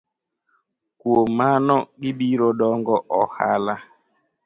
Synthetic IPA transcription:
kwomanɔɡɪbiɾodɔŋɡɔʔɔhala

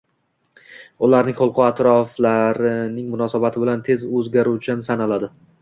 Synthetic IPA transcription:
ʊlaɾnɪŋqolˠqʰʊat̪ɾɒflaɾɪnɪŋmʊnɒsabat̪ʰɪbɪlant̪ʰe̞zɵzɡʲaɾuwt͡ʃʰansanalad̪ɪ

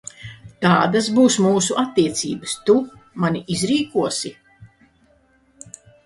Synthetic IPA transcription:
t̪aːd̪asbuːsmuːsuʔat̪ːiɛt̪sḭːbəst̪umaniʔizɾiːkuɔsi

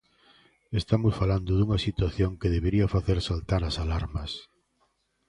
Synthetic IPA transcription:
est̪amʊsfaland̪ʊðuŋɐsit̪waθjoŋkeðeβeɾiɐfaθeɾsalt̪aɾɐsalaɾmɐs

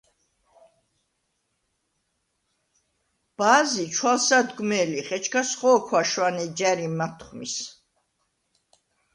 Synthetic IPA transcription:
b̥aːzit͡ʃʰwalsad̪ɡmɛːliχɛt͡ʃʰkʰasχɔːkʰwaʃwanɛd͡ʒæɾimat̪ʰχmḭs

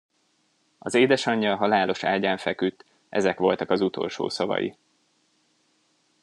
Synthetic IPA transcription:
ɒzeːd̪ɛʃɒɲːɒɦɒlaːlo̞ʃaːlɟaːɱfɛkyt̪ː | ʔɛ̰zɛkʋo̞lt̪ɒkɒzut̪ʰo̞̰lʃo̰ːsɒvɒ̰jḭ

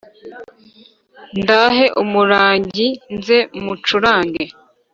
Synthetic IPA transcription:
ndaɦe̞ʔumuɾaːɲɟinzemut͡ʃuɾaːŋɡe

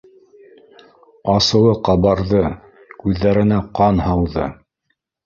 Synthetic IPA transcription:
ɑsɤ̆wɤqɑβɑɾðɤ | kʉðːæɾɘ̆næqɑnhɑwðɤ̰

